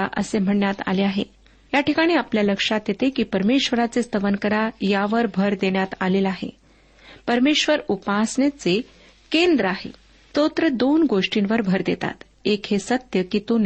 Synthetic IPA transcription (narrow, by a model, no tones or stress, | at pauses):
aʔə̰sem̤əɳɳjat̪a̰leaɦḛ | jaʈikaɽ̃iːapljaləkʂat̪jet̪ekiːpəɾmeɕʋəɾat͡sest̪əʋənkəɾajaʋəɾbʱəɾd̪eɳjat̪alelaɦḛ | pəɾmeɕʋəɾupasɳet͡se | kend̪ɾəaɦḛ | t̪ot̪ɾəd̪onɡoʂʈinʋəɾbʱəɾd̪et̪a̰t̪ | ekɦesət̪jəkit̪un